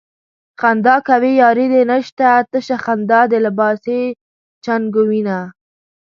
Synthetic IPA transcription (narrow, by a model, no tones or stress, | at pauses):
xand̪ɑkawejɑːɾed̪enəʃt̪at̪əʃaxand̪ɑd̪əlɪbɑse | t͡ʃanɡowina